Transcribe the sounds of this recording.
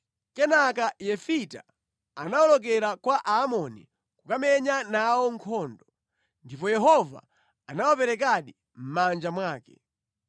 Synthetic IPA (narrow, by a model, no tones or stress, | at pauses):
kɛnakajɛfita̰ | anawɔlɔk̬ɛɾakwaʔaːmɔnḭ | kukamɛɲanawɔŋkʰɔːndɔ | ndipɔjɛɦɔva̰ | anawapɛɾɛk̬aɗi | m̩mand͡ʒamwaːkɛ